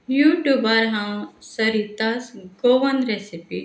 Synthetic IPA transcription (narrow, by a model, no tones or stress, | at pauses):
juʈubaɾɦãsɐɾit̪asɡoʋɐnɾesipi